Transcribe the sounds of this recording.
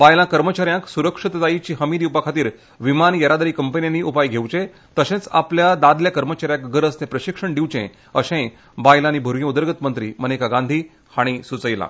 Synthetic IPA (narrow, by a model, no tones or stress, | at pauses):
bajlãkəɾmət͡ɕaɾjãksuɾəkʂit̪d͡zait͡ɕiːɦəmid̪iupakʰat̪iːɾ | ʋimanjəɾad̪əɾiːkəmpənijaniʔupajɡʱewt͡ɕẽ | t̪əɕẽt͡sa̰pljad̪ad̪ljakəɾmət͡ɕaɾjãkɡəɾəsnepɾəɕikʂəɳɖiwt͡ɕḛ̃ | əɕẽ | bajlãnibʱuɾjĩud̪əɾɡət̪mənt̪ɾḭːmənekaɡand̪ʱiː | haɽ̃isut͡səjlã̰